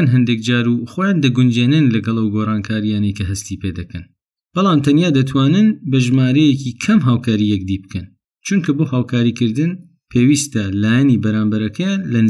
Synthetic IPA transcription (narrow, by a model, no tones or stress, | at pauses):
nɦɐnd̪ek̚d͡ʒaːɾuxoːjaːnd̪ɐɡʊnd͡ʒeːnɨnlɐɡɐlˠɐwɡorɑːnkʰaːɾijaːnɐjkʰɐɦɐst̪iːpeːd̪ɐkʰɐn | b̥ɑlˠɑaːmt̪ʰɐnjaːd̪ɐt̪ʰwaːnɨnbɐʒmaːɾɛjekikʰɐmɦaːwkʰaːɾijɛkd̪ibkʰɐn | t͡ʃunkʰɐboːhaːwkʰaːɾikɨɾd̪ɨn | pʰeːwiːst̪ɐlaːjɛnibɐɾaːmbɐɾɐkʰɐjaːnlɐnɨ